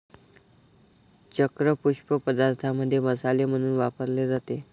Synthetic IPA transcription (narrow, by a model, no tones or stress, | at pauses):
t͡ɕəkɾəpuɕpəpəd̪aɾt̪ʰaməd̪ʱːjeməsalem̤əɽ̃uːnʋapəɾled͡zat̪e